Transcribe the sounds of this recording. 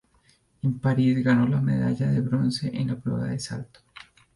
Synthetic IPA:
empaɾizɡano̞lame̞̰ða̰ʝaðe̞βɾo̞nse̞ʔenlapɾe̞̰βa̰ðe̞sa̰lt̪o̥

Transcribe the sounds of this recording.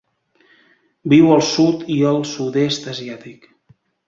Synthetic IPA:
biwəlˠsut̪iəlˠsut̪est̪əziat̪ik

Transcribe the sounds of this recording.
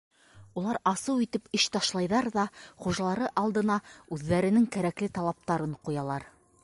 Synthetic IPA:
ulˠɑɾɑsɤwit̪ɘpɘɕt̪ɑʃlˠɑjðɑɾðɑχuʒɑlˠɑɾɤʔɑlˠd̪ɤ̆nɑʉðːæɾɘ̆nɘŋkæɾæklɘt̪ɑlˠɑp̚t̪ɑɾɤɴqujɑlˠɑɾ

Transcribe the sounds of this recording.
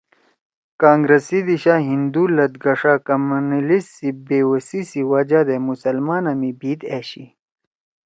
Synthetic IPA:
kaːŋɡɾɐsid̪iɕaːɦind̪uːlɐd̪ɡɐʂaːkɐmɐnilisːibeːwɐsisiwɐd͡ʑad̪emusɐlmaːnɐmibiːt̪eːɕi

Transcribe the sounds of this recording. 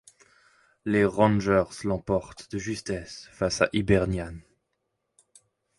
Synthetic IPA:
leʁɑ̃nʒœʁslɑ̃pɔʁt̪d̪əʒyst̪ɛsfasa̰ʔibɛʁnjan

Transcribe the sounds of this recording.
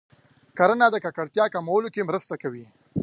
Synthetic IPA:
kaɾanad̪əkakaɽt̪jɑkamawəlokemɾəst̪akawi

